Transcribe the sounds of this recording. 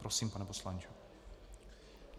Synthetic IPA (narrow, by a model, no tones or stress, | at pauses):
pɾosiːmpanɛposlant͡ʃu